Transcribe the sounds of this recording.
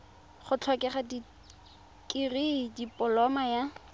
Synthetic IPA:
χʊt͡ɬʰɔkɛχadi | kʼiridipʼɔlɔmaja

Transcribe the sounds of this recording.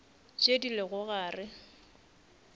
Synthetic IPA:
t͡ʃʼedilɪɣʊɣaːrɪ

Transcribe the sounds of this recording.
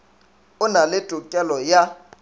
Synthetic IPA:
ʊnalɪtʼʊkʼɛlɔja

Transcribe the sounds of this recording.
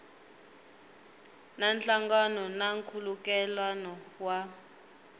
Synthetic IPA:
nant͡ɬaŋɡanɔnaŋkʰulukɛlwanɔwa

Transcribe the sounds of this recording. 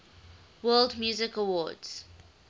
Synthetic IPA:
wɜːlˠdmjuːzɪkəwɔdz̥

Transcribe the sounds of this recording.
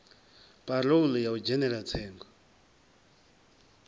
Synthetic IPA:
palowuləjawd͡ʑəneɾat͡sʰejŋɡ

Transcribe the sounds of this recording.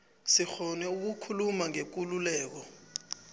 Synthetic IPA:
sixɔnɛuk̬ukʰulumaŋek̬ululɛːk̬ɔ

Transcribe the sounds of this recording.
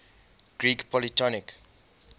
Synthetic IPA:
ɡ̥ɹiːkpʰɔlitɔnik

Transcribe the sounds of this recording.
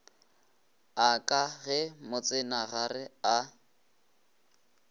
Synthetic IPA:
akʼaɣɛmʊt͡sʼɪnaɣarɪa

